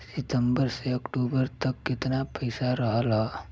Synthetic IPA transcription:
sɪt̪ə̃mbəɾseɐkʈuːbəɾt̪ɐkːɪt̪napɐjsaɾɐɦalaː

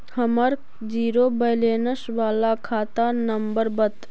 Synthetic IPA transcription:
həməɾ | d͡ʒiːɾoːbəjleːnəsʋaːlakʰaːt̪anəmbəɾbət̪

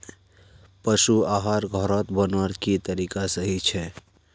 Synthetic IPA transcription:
pəsuaɦaɾɡʱəɾət̪bənwəɾkit̪əɾikasəɦit͡ʃʰɛ

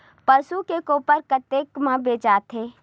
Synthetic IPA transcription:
pəsukekoːpəɾkət̪eːkmãbeːd͡ʒaːt̪ʰɦeː

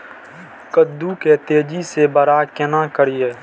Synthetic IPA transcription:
kəd̪uket̪eːd͡ʒisebəɾakɪnãkəɾijeː

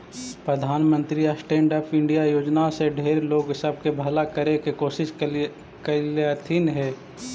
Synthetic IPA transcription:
pɾəd̪ʱaːnmə̃nt̪ɾijasʈẽːɳɖəːpʰɪ̃ɳɖijajoːd͡ʒnaseɖʱeːɾloːɡsəb̚ʱkebʱəlakəɾekekoːʃɪʃ | kəɾlet̪ʰɪnɦɛː

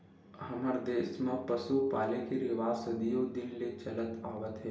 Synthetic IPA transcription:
hɐməɾd̪eːsmẽpɐsupaːlekeɾɪʋaːsəd̪ijõd̪ɪnlet͡ʃɐlət̪aːʋət̪ɦɛː

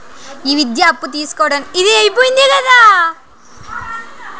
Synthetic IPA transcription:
iːʋid̪jɐːpːut̪iːsu̥kɔʋɐɽɐnid̪eɐjpoːjnd̪eɡɐd̪aː

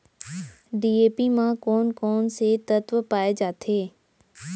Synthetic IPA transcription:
ɖiːeːpimãkɔːnkɔːnset̪ɐt̪ʋəpaːed͡ʑaːt̪ʰeː

